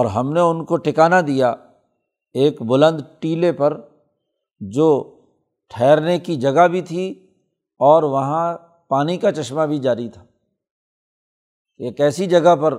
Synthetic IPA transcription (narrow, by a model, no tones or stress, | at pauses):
ɔːɾɦɐmneʊnkoʈɪkaːnad̪ija | eːkbʊlə̃nd̪ʈiːlepɐɾ | d͡ʒoː | ʈʰɛːɾnekid͡ʒɐɡabʱit̪ʰi | ɔːɾʋɐɦã | paːnikat͡ʃɐʃmabʱid͡ʒaːɾit̪ʰḁː | eːkɛːsid͡ʒɐɡəɦpɐɾ